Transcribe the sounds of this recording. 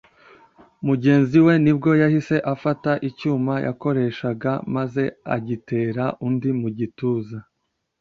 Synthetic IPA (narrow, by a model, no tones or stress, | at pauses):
muɟe̞ːnziwe̞nib̚ɡo̞jahise̞ʔafataʔicuːmajʔa̰ko̞ɾe̞ʃaɡamaze̞a̰ɟite̞ːɾaʔundimuɟituːza